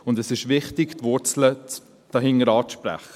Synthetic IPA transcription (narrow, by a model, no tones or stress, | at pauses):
ʊndɛsɪʃʋɪχtɪɡtvʊɾt͡slə | d̥ɑɦɪŋːəɾɑːʃpɾæ̰χə